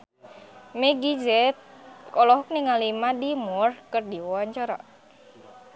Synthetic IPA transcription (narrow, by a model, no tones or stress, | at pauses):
mɛɡid͡ʒɛt̪̚kɔlɔɦuk̚niŋalimadimurkərdiwɔwaɲt͡ʃaɾa̰